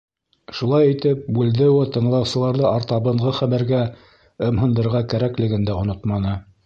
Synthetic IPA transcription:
ʃulˠɑjit̪ɘp̚bʉld̪ɘwɘt̪ɤ̆ɴlˠɑwsɤ̆lˠɑɾðɤɑɾt̪ɑβɤ̆ɴʁɤχæmæɾɡæ | ɤ̆mɦɤ̆nd̪ɤ̆ɾʁɑkæɾæklɘ̆ɡɘ̆nd̪æŏnot̪mɑnɤ

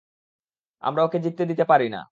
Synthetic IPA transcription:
a̰mɾaoked͡ʑit̪ːed̪it̪epaɾina̰

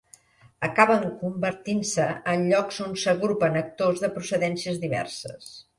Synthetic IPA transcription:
əkaβəŋkumbəɾt̪insəənʎɔkzonsəɣɾupənək̚t̪ozðəpɾusəðɛnsiəzðiβɛ̰rsəs

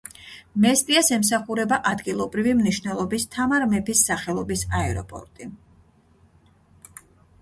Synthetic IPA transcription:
mɛsp̪ʼiasɛms̬aχuɾɛbaʔad̪ɡilˠɔbɾivimniʃvnɛlˠɔbist̪ʰamaɾmɛpʰisːaχɛlˠɔbisaɛɾɔ̰pʼɔ̰ɾt̪ʼi

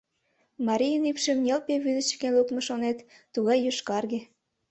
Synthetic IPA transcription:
mɑɾʲijənypʃĕmnʲelpeβyd̪ət͡ɕə̥kenlukmeʃonet̪ːuɣɑjːøʃkɑrɣe

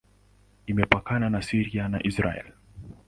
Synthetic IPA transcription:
imɛpakananasiɾiana̰ʔisɾa̰ɛ̰l

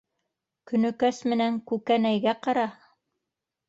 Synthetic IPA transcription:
kɵ̆nɵ̆kæsmɘ̆næŋkʉkænæjɡæqɑɾɑ

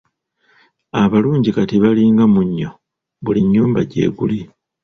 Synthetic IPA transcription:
aβaluːɲɟikatiβaliŋɡamuɲːo̞ | βuliɲːuːmbaɟe̞̰ːɡuli

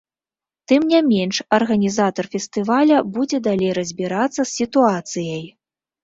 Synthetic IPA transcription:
t̪ɨmnʲamʲenʂɐrɣɐnʲizat̪ɐrfʲɛst̪ɨvalʲɐbud͡zʲɛd̪alʲejɾɐzʲbʲiɾat̪sːɐsːʲit̪uat̪sɨjɐj

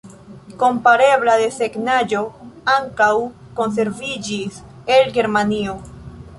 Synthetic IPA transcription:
ko̞mpaɾe̞βlad̪e̞seɡnad͡ʒo̞aŋkaw | ko̞ns̬e̞ɾvid͡ʒis | elɡe̞ɾmanio̞

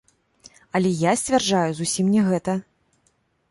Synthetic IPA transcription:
ɐlʲɛjasʲt͡sʲvʲarʐajuzusʲimnʲɛɣɛt̪ɐ

